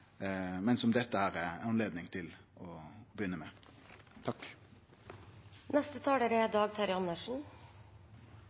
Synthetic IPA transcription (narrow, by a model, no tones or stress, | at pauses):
mɛnsɔmd̪ɛt̪ːəhæːɾɛɑnleːd̪nɪŋt̪ʰɪlɔːbəjʏnːəmɛt̪ʰɑkː | nʔɛst̪ət̪ʰɑːɖeɾɛd̪ɑːɡ̚t̪ʰɑɾjɑnəʂɳ̩